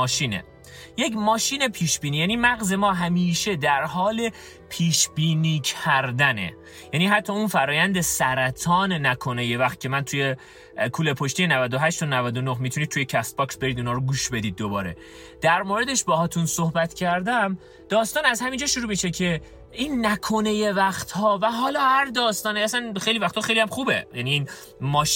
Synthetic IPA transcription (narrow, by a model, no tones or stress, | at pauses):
ɒːʃiːnḛ | je̞cmɒːʃiːne̞pʰiːʃbiːniːjæniːmæɣze̞mɒːɦæmiːʃe̞d̪æɾɦɒːle̞ | pʰiːʃbiːniːcʰæɾd̪ænḛ | jæniːɦæt̪ʰːɒːunfæɾɒːjænd̪esæɾæt̪ʰɒːnnækʰo̞neje̞væxt̪̚cʰe̞mænt̪ʰuje̞ | kʰuːlepʰoʃt̪ijenævæd̪oɦæʃt̪ʰonævæd̪onoɦmit̪ʰunid̪̚t̪ujecʰæst̪̚bɒksbeɾid̪inɒːɾoɡuːʃbe̞d̪iːd̪̚ːo̞bɒːɾe̞̰ | d̪̥æɾmoːɾe̞d̪eʃbɒːɦɒːt̪ʰunsohbæt̪cʰæɾd̪æm | d̪̥ɒːst̪ɒːnæzhæmind͡ʒɒːʃuɾuːmiʃecʰe̞ | inːækʰo̞neje̞væχt̪hɒːvæɦɒːlɒːhæɾd̪ɒːst̪ɒːniæsænxejlivæxt̪ʰɒːxejlijæmxuːbḛjæniːn | mɒːʃ